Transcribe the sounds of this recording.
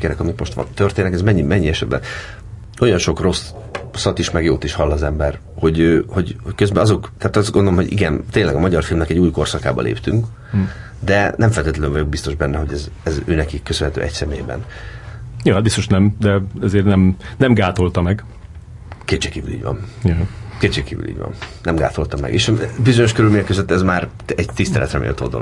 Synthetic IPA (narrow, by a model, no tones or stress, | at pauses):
kɛɾɛkɒmikmo̞ʃt̪ʋɒ̰nt̪ørt̪eːnɛkɛzmɛɲːimɛɲːiɛʃɛ̰d̪bɛ̰n | o̞jɒnʃo̞kro̞s | sɒt̪iʃmɛɡjo̰ːt̪iʃhɒlːɒzɛmbɛr | ho̞ɟøːho̞ɟhockø̞zbɛɒzo̞kt̪aːt̪ɒzɡond̪olomɦo̞ɟḭɡɛnt̪eːnlːɛɡɒmɒɟɒrfilmnɛkɛɟuːjko̞rsɒka̰ːbɒ̰lʔḛːpt̪yŋk | d̪ɛnɛɱfɛlt̪eːt̪lɛlɛɱvɒɟjo̞ɡ̚bist̪o̞ʒbɛnːɛɦo̞ɟɛzɛzø̰ːnɛkikːøsønɦɛt̪ø̰ːʔɛcsɛmḛːjbɛ̰n | joːɦ̚bist̪oʃnɛmd̪ɛɛzeːrnɛmnɛmɡaːt̪o̞lt̪ɒmɛɡ | keːt͡ʃeːkiːvylḭːɟvɒ̰njɛkeːt͡ʃeːkiːvy̰lḭːɟvɒ̰nnɛmɡa̰ːt̪o̞lt̪ɒmɛ̰ɡḛːʃbizo̞ɲo̞ʃkøɾylmeːɲɛkːøzøt̪ːɛzmaːr | ɛɟt̪ist̪ɛlɛ̰t̪rɛmḛːlt̪o̰ld̪o̰lo̰